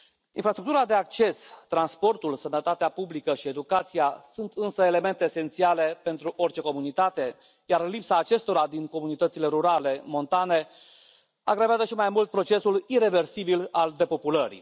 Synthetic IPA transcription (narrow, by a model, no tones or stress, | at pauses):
infɾast̪ɾuk̚t̪uɾad̪e̞ak̚t͡ʃe̞st̪ɾanspo̞rt̪ulsənət̪at̪eapublikəʃie̞d̪ukat̪sijasunt̪ɨnsəele̞me̞nt̪e̞ːse̞nt̪siale̞pe̞nt̪ɾuʔo̞rt͡ʃe̞ko̞munit̪at̪e̞ | jarlipsaːt͡ʃe̞st̪o̞ɾad̪inko̞munit̪ət̪sile̞ɾuɾale̞mo̞nt̪ane̞ | aɡɾaveazəʃimajmult̪̚pɾo̞t͡ʃe̞suliɾe̞ve̞rsibilald̪e̞po̞puləɾḭ